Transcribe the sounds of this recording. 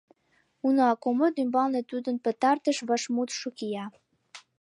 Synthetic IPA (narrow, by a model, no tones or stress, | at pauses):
unoɑkomot̪ymbɑlnet̪ud̪ə̆npə̆t̪ɑrt̪əʃβəʃmut̪ʃukijɑ